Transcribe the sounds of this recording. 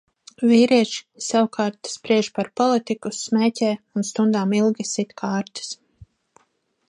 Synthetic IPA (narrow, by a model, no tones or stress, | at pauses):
viːɾiɛʃi̥sawkʰaːɾt̪spɾiɛʒpaɾpɔlˠit̪ikusmɛːcʲɛːunst̪und̪aːmilˠɡʲisit̪kʰaːɾt̪ɨ̥s